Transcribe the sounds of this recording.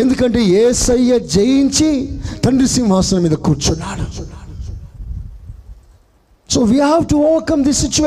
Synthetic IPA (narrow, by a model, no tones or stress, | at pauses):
end̪ukɐɳʈeːeːsɐjːɐd͡ʒejiɲt͡ʃit̪ɐɳɖɾisiŋʋaːsɐnɐmiːd̪ɐkuːɾt͡ʃunːaːɽu | soːʋiːɦaʋʈuoːʋɐkɐmd̪isːit͡ʃu